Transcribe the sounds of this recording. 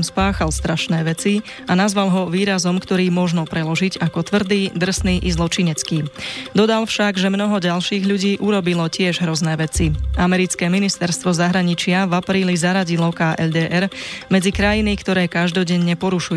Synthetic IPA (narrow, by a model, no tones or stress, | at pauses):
mspaːxalst̪ɾaʃnɛːʋɛt͡si | anazʋalɦɔʋiːɾazɔmkt̪ɔɾiːmɔʒnɔpɾɛlɔʒiɟakɔt̪ʋr̩d̪iːd̪r̩sniːʔizlɔt͡ʃiɲɛt͡skiːd̪ɔd̪alfʃaɡʒɛmnɔɦɔɟalʃiːɣʎuɟiːʔuɾɔbilɔcɪɛʒɦɾɔznɛːʋɛt͡siamɛɾit͡skɛːminist̪ɛɾst̪ʋɔzaɦɾaɲit͡ʃɪavapɾiːlizaɾaɟilɔkaːʔɛld̪ɛːʔɛɾmɛd͡zikɾajinikt̪ɔɾɛːkaʒd̪ɔɟɛɲːɛpɔɾuʃuj